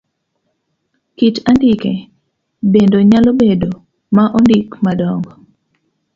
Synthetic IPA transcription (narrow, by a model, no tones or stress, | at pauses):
kitandɪke | bendoɲalobedo | maʔondikmadɔŋɡɔ